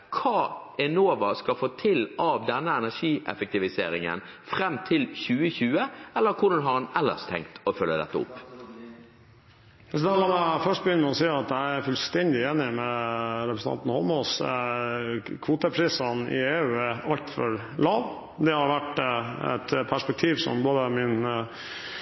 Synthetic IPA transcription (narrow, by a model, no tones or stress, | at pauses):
kʰɑː | ɛnoːʋɑskɑfoːt̪ʰɪlɑʋd̪ɛnːəɛnæʂiːʔɛ̰fɛk̚t̪ɪʋɪsḛːɾɪ̰ŋə̰nfʁɛmt̪ʰɪlçʉːəçʉːəɛlːəɾkʰʊɖɑnɦɑɾɛnɛlːə̰st̪ʰɛ̰ŋkt̪ʰɔfœlːəd̪ɛ̰t̪ːəʊ̰pː | sd̪æmɑmæfœʂʈ̚bəjʏnːəmɛɔsiːɑt̪æɪæɾfʉlst̪ɛnd̪ɪeːnɪmɛɾɛpɾəsn̩ʰɑ̰t̪n̩hɔ̰lmɔs | kʰʋuːt̪əpʰɾiːsənɪ̰eːʉːæɑlt̪fɔɾ | lɑːʋ | d̪ɛhɑɾʋæʈɛ̰t̪pʰæʂpɛk̚t̪ʰiːʋsɔ̰mboːd̪əmɪn